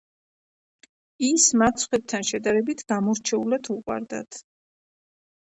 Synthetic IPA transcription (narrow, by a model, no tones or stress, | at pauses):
ismat̪sʰχwɛb̚t̪ʰanʃɛd̪aɾɛbit̪ʰɡ̥amɔɾt͡ʃʰɛulad̪ʰuqʼwa̰ɾd̪a̰t̪ʰ